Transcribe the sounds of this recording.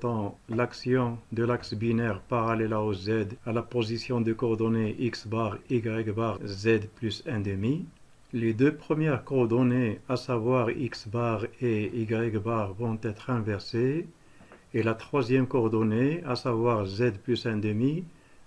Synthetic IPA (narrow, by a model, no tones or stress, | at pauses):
t̪ɑ̃laksjɔ̃d̪əlaksbinɛʁpaʁalɛlaozɛd̪alapozisjɔ̃d̪əkɔʁd̪ɔneʔiksbaʁiɡʁɛkbaʁzɛd̪plysɛ̃d̪əmi | led̪øpχəmjɛʁkɔʁd̪ɔneasavwaʁḭksbaʁeiɡʁɛɡbaʁvɔ̃t̪ɛt̪χɛ̃vɛʁse | elat̪χwazjɛmkɔʁd̪ɔneasavwaʁzɛd̪plysɛ̃d̪əmi